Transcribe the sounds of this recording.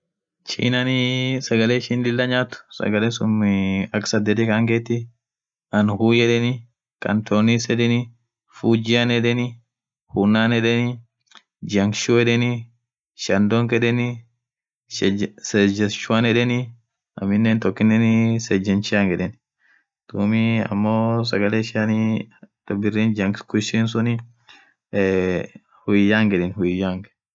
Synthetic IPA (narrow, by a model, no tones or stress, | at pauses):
t͡ʃḭːnɐnɪsɐɡɐleːʃinlɪlːɐɲaːt̪ʊ̥sɐ̰ɡɐleːsʊmɪɐksɐd̪ːɛt̪ɛkaŋɡeːt̪ːɪ | ʔɐnhuːjɛᶑɛnɪ | kɐ̰nt̪ʰoːnisɛᶑ̪ɛnɪ | fuːd͡ʒɪɐnɛᶑɛnɪ | huːnːaːnɛᶑɛnɪ | d͡ʒɐŋkʃuɛᶑɛnɪ | ʃɐnd̪oŋkɛᶑɛnɪ | sɛd͡ʒɐʃʊanɛᶑɛnɪ | ɐ̰mːɪnːeːnt̪ɔkːɪnːɛnsɛd͡ʒːɐnt͡ʃɪaŋɡɛᶑɛn | d̪̥uːmiɐ̰mːoːs̬ɐɡɐleːʃɪanit̪ɔbɪrːiːnd͡ʒɐŋkkʊʃiːnsʊnɪ | hʊjjaːŋɡɛᶑɛnhʊjjaŋɡ